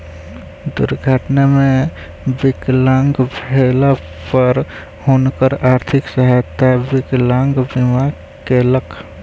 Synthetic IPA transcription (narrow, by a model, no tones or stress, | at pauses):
d̪ʊ̰ɾɡʱaʈnamẽ | bɪklãŋɡbʱela | pəɾ | honkəɾaːɾt̪ʰɪksəɦat̪ːabɪklaŋɡbima | keləkʰ